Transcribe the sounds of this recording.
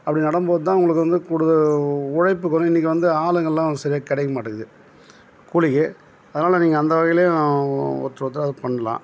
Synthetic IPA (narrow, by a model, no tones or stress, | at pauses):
ɐpːɐɽɪnɐɽɐmboːðɯt̪ãːʊŋɡɐɭɯkːɯʋɐnd̪ɯkʊɽɯðɯʊɻɐɪpːɯkːɐnʊ̃ɪnːɪk̬ʲːɯʋɐnd̪ɯaːlɯŋɡɐɭlãːsɐɾɪjɐkɐɽɐɪkːɐmaːʈːɯɣɐðɯ | kuːlɪɣɛ | ɐðɯnaːlɐniːŋɡɐːnd̪ɐʋɐɣɐjljõ | ɔ̰t̪ːɯɾɔt̪ːɯɾaɐðɯpɐɳːɐlã̰ː